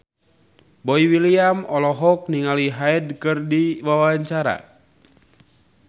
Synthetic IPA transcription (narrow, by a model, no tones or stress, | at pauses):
bɔiwiliamɔlɔɦɔk̚niŋaliɦaɛdkɨrdiwawaɲt͡ʃaɾa̰